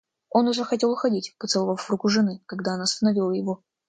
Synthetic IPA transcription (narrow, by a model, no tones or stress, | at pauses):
o̞nʊʐɛxɐtʲe̞lˠʊxɐdʲitʲpət̪sɨlˠɐvəfɾukʊʐɨnɨkɐɡd̪aɐnast̪ənɐvʲilˠəjɪvo̞